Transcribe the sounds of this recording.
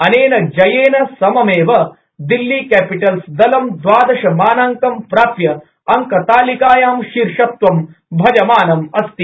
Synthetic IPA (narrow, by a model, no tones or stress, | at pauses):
ɐneːnɐd͡ʒɐjeːnɐsɐmɐmeːʋɐ | d̪ilːiːkɛːpiʈɐlsd̪ɐlɐmd̪ʋaːd̪ɐʃɐmaːnaŋkɐmpɾaːpjɐ | ɐŋkɐt̪aːlikaːjaːmʃiɾʂɐt̪ʋɐmbʱɐd͡ʒɐmaːnɐmɐst̪i